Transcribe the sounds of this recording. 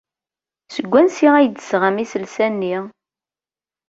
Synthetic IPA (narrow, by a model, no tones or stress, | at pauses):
səɡʷːænsiʁæjd̪əsʁəmisəlsænːi